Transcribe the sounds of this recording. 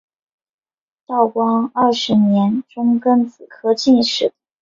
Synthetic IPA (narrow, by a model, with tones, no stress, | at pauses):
t̪ɑ˥˩ʊkwɑ˥ŋɐ˥˩ʂɻ̩˧˥njɛ˧˥nʈ͡ʂʊ˥ŋkə˥nt͡sɹ̩˨˩kʰɤ˥t͡ɕi˥˧nʂɻ̩˥˩